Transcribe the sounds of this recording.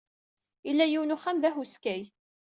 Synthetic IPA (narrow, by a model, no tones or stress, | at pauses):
ilːæjiwnʊχæmðæhuskæj